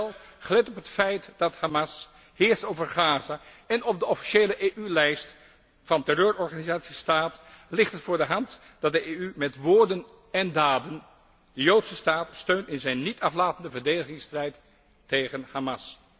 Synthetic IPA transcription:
lˠχəlɛtɔpɦətfɛjtdɑthamɑs | hɪːɹstowvəɹχaːzaɛnɔb̚dəɔfi̥ʃejləʔeʔylɛjst | fɑntɛrøːɹɔɹχaːnizaːtsistaːtlɪχtɦətfʊːɹdəɦɑnt | d̥ɑt̚dəʔejymɛtʋoːɹdən | ɛndaːdən | dəjowtsəstaːtstøɥntɪnzɛjnːitɑflaːtəndəvəɹdejdəχɪŋstrɛjtː | ejχənhamɑs

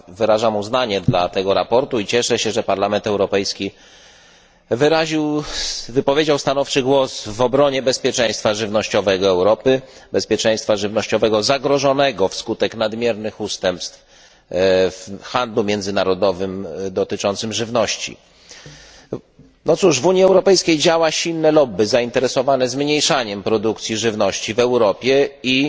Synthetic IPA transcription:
vɘɾaʐamuznaɲɛd̪lat̪ɛɡɔɾapɔɾt̪uit͡ɕɛʂɛɕɛʐɛpaɾlamɛnt̪ɛwɾɔpɛjskʲi | vɘɾaʑiwvɘpɔvʲjed͡ʑawst̪anɔft͡ʂɘɡwɔsvɔbɾɔɲɛbɛspʲjɛt͡ʂɛj̃st̪faʐɘvnɔɕt͡ɕɔvɛɡɔɛwɾɔpɘbɛspʲjɛt͡ʂɛj̃st̪faʐɘvnɔɕt͡ɕɔvɛɡɔzaɡɾɔʐɔnɛɡɔfskut̪ɛknad̪mʲjɛɾnɘxust̪ɛmpst̪f | fxand̪lumʲjɛnd̪zɘnaɾɔd̪ɔvɘmd̪ɔt̪ɘt͡ʂɔnt̪sɘmʐɘvnɔɕt͡ɕḭ | nɔt̪suʂvuɲjiɛwɾɔpɛjskʲejd͡ʑawaɕilnɛlɔbːɘzaint̪ɛɾɛsɔvanɛzmɲejʂaɲɛmpɾɔd̪ukt̪sʲiʐɘvnɔɕt͡ɕivɛwɾɔpʲjɛi

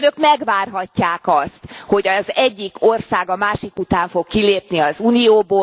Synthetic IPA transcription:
nøkmɛɡʋaːrɦɒcːaːkɒst̪ho̞ɟɒzɛɟːiko̞rsaːɡɒmaːʃikut̪aːɱfo̞kːileːpniɒzuːnijoːboː

